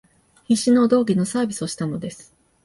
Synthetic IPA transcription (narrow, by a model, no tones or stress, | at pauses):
çiɕino̞d̪o̞ːɡʲino̞saːbʲisɨoɕi̥t̪ano̞d̪e̞sɨ̥